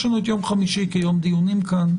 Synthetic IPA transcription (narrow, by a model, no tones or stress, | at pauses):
ʃonot̪jomχamiʃikejomd̪iunimkʰan